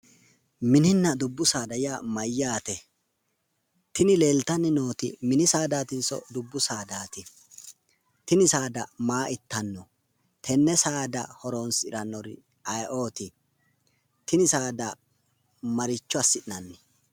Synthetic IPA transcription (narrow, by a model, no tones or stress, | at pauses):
mɪnɪnːɐd̪ʊbːʊsaːd̪ɐjaːmɐjːaːt̪ɛ | t̪ɪnɪle̞ːlt̪ɐnːɪnoːt̪ɪ̰mɪnɪsaːd̪aːt̪ɪnsɔ̰d̪ʊbːʊsaːd̪aːt̪ɪ | t̪ɪnɪsaːd̪ɐmaːʔɪt̪ːɐnːɔ | t̪ʰɛnːɛsaːd̪ɐ̰hɔɾoːnsɪɾɐnːɔɾɪ̰ | ɐjʔo̞ːt̪ɪ | t̪ɪnɪsaːd̪ɐ | mɐɾɪt͡ʃːɔɐsːɪɗɪnɐnːɪ